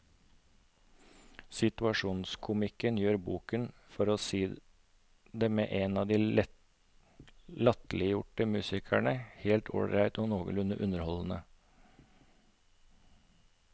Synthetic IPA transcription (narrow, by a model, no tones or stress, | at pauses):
sɪt̪ʉɑʂuːnskʰʊmɪkənjøːɾbuːkənfɔɾoːsiː | d̪eːmḛːʔeːnɑːd̪iː | lɑt̪lɪjʊʈəmʉːsɪkʰæɳəheːlt̪ʰo̰ːɽɾæɪt̪oːnoːɡə̰lʉnəʔʉnəɾhɔln̩ə